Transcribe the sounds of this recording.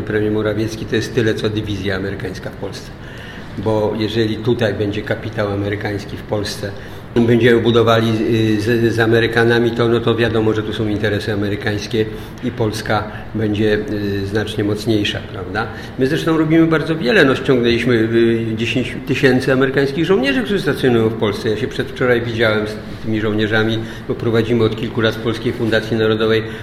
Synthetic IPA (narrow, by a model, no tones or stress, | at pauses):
pɾɛmʲjɛɾmɔɾavʲjɛt̪skʲit̪ɔjɛst̪ːɘlɛt̪sɔd̪ɘvʲizʲjaːmɛɾɘkaj̃skafpɔlst̪sɛ̥ | bɔjɛʐɛlʲit̪ut̪ajbɛɲd͡ʑɛkapʲit̪awamɛɾɘkaj̃skʲifpɔlst̪sɛ | bɛɲd͡ʑɛmɘbud̪ɔvalʲizzamɛɾɘkanamʲit̪ɔnɔt̪ɔvʲjad̪ɔmɔʐɛt̪usɔ̃w̃int̪ɛɾɛsɘamɛɾɘkaj̃skʲɛ | ipɔlska | bɛɲd͡ʑɛznat͡ʂɲɛmɔt̪sɲejʂa̰pɾavd̪a | mɘzɾɛʂt̪ɔ̃w̃ɾɔbʲimɘbaɾd̪zɔvʲjɛlɛnɔɕt͡ɕɔ̃ŋɡnɛlʲiɕmɘd͡ʑeɕeɲt͡ɕt̪ɘɕɛnt̪sɘamɛɾɘkaj̃skʲiɣʐɔ̃w̃ɲɛʐɘkt̪uʐɨst̪at̪sjɔnujɔ̃w̃fpɔlst̪sɛjaɕɛpʂɛt̪ft͡ʂɔɾajvʲid͡ʑawɛms | t̪ɘmʲiʐɔwɲɛʐamʲi | bɔpɾɔvad͡ʑimɘɔt̪kʲilkulat̪fpɔlskʲejfund̪at̪sʲjinaɾɔd̪ɔvɛj